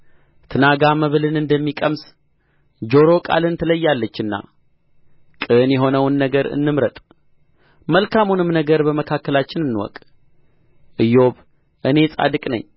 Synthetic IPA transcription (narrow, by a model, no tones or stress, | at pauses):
t̪ʰɨnaɡaməβɨlɨnɨnd̪əmːikʼəms | d͡ʒo̞ɾo̞kʼa̰lɨnt̪ʰələjːalːət͡ʃːɨnːa̰ | kʼɨnjɛɦo̞nəwnːəɡəɾɨ̰nːɨmɾət̪ʼ | məlkʰamunɨmnəɡəɾbəməkʰakːəlat͡ʃːɪnɨnːɨwɔ̰kʼ | ʔɨjo̞β | ʔɨne̞sʼa̰d̪ɨkʼnə̰ɲː